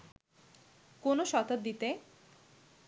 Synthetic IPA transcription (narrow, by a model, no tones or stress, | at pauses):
konoʃɔt̪ot̪̚d̪it̪e